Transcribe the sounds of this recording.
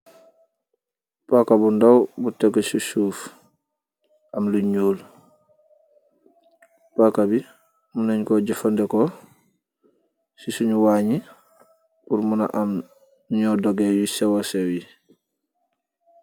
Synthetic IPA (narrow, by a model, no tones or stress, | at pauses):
pakabundawbuteɡesusuːf | ʔamluɲuːl | pakabi | muneɲkoɟafandeko | sisuɲuwaːɲi | puɾmuna̰ʔam | ɲɔdoɡejusɛwasewji